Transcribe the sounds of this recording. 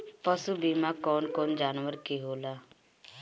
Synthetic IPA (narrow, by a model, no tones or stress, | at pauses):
pəsubiːmakɔːnkɔːnd͡ʒaːnʋəɾkeɦoːlaː